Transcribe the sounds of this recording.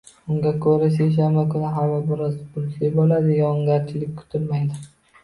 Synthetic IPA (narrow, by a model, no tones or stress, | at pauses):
ʊŋɡʲakʰɵɾas̬ejʃ̬anbakʰʊnɪɦavabɪɾɒzpʊlˠsajbolad̪ɪjaʊŋɡʲaɾt͡ʃʰɪlɪk̚ʲkʰʊ̥t̪ʰɪlmajd̪ɪ